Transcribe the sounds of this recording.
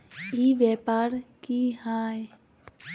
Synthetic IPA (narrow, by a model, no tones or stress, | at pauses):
iːʋjɛːpaːɾkihaːe